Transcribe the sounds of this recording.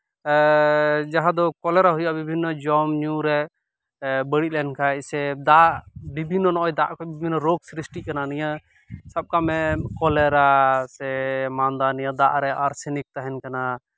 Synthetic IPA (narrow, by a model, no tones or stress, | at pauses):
d͡ʒaɦãd̪ɔkɔlɛɾaɦujaʔbibʱinːɔd͡ʒɔmɲuɾɛ | bəɽit̪̚lɛnkʰaɛsɛd̪aʔbibʱinːɔnɔʔɔjd̪aʔkʰɔbibʱinːɔɾoɡsɾisʈikananija | sab̚kamɛkɔlɛɾasɛmand̪anijad̪aʔɾɛaɾsɛnik̚t̪aɦɛnkana